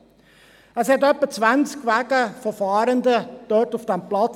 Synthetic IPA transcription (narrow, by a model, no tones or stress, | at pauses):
əshɛtœpːət͡svænskʋæɡəfɔfɑːɾənd̪əd̪̥ɔtufd̥ɛmplɑt͡s